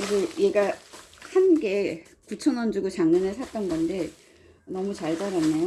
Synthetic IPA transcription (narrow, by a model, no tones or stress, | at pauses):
osʌje̞ɡa | hanɡe̞ | kut͡ɕʰʌnwʌnd͡ʑuɡut͡ɕaŋɲʌnɯɭsʰat̚t͈ʌnɡʌnde̞ | nʌmut͡ɕaɭd͡ʑaɾanːejo